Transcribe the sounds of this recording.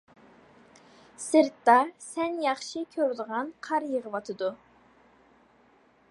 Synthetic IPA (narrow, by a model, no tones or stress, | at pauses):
sɨɾt̪ːɑsɛnjɑχʃikʲʰøɾd̪əʁɑnqʰɑɾjəʁəwɑt̪ʰɨd̪u